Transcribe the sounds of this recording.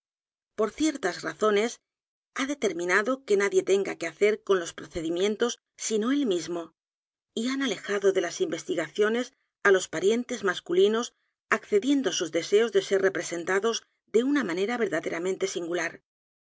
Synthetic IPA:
po̞ɾθje̞ɾt̪azraθo̞ne̞s | aðe̞t̪e̞ɾmĩnaðo̞ke̞naðje̞t̪e̞ŋɡake̞aθe̞ɾko̞nlo̞spɾoθe̞ðimjẽ̞nt̪o̞sːino̞elmizmo̞ | ianale̞xaðo̞ðe̞lasimbe̞st̪iɣaθjo̞ne̞s | alo̞spaɾje̞nt̪e̞zmaskulino̞s | akθe̞ðje̞nd̪osuzðe̞se̞o̞zðe̞se̞re̞pɾe̞se̞nt̪aðo̞z | d̪e̞unamãne̞ɾaβe̞ɾðaðe̞ɾamẽ̞nt̪e̞siŋɡulaɾ

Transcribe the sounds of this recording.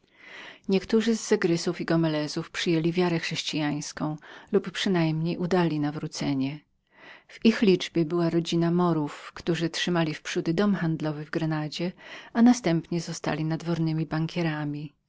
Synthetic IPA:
ɲɛkt̪uʐɘzːɛɡɾɘsufiɡɔmɛlɛzufpʂɘjelʲivʲjaɾɛxʂɛɕt͡ɕijaj̃skɔ̃w̃lupːʂɘnajmɲejʔud̪alʲinavɾut̪sɛɲɛ | v̥ixlʲid͡ʐbʲjɛbɘwaɾɔd͡ʑinamɔɾufkt̪uʐɘtʂɘmalʲifpʂud̪ɘd̪ɔmxand̪lɔvɘvɡɾɛnad͡ʑɛanast̪ɛmpɲɛzɔst̪a̰lʲinad̪vɔɾnɘmʲibaŋkʲʰɛɾamʲi

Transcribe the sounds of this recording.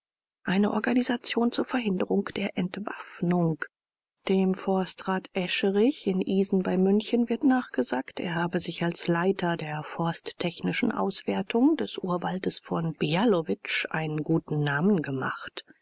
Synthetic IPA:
ʔaɪnəʔɔɐɡanizat͡sjoːnt͡suːɐfɛɐɦɪndəʁʊŋkd̥eːɐʔɛntv̥a̰fnʊŋk | d̥eːmfɔɐstʁaːtʔɛʃəʁɪçɪnʔiːzn̩baɪmʏnçənvɪɐtnaːχɡ̥əzaːktḛːɐhaːbəzɪçalslaɪtʰɐdeːɐfɔɐsttʰːɛçnɪʃn̩ʔa̰ʊsv̥eɐtʰʊŋd̥ɛsʔuːɐvaltəsfɔnb̥ialovɪt͡ʃʔa̰ɪnənɡuːtn̩ːaːmən̩ɡəma̰χt

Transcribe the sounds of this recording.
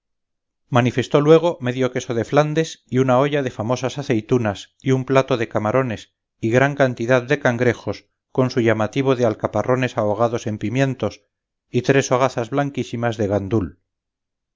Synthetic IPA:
manife̞st̪o̞lwe̞ɣ̞o̞me̞ðjo̞ke̞so̞ðe̞fland̪e̞siunao̞ʝaðe̞famo̞sasaθe̞jt̪unas | iumplat̪o̞ðe̞kamaɾʔo̞ne̞s | iɣɾaŋkant̪iðaðd̪e̞kaŋɡɾe̞xo̞s | ko̞nsuʝamat̪iβ̞o̞ðealkaparo̞ne̞saoɣ̞aðo̞se̞mpimjẽ̞nt̪o̞s | it̪ɾe̞soɣ̞aθazβlaŋkisimazðe̞ɣand̪ul

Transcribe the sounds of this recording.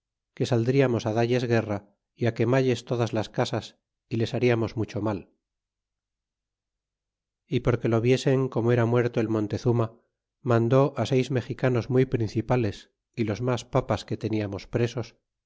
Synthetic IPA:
ke̞sald̪ɾiamo̞saðaʎe̞zɣe̞ra | iake̞maʎe̞st̪o̞ðazlaskasas | ile̞saɾiamo̞zmut͡ʃo̞mal | ipo̞ɾke̞lo̞βje̞se̞ŋko̞moe̞ɾamwe̞ɾt̪oelmõ̞nt̪e̞θuma | mãnd̪o̞ʔase̞jzme̞xikano̞zmujpɾin̟θipale̞s | ilo̞zmaspapaske̞t̪e̞niamo̞spɾe̞so̞s

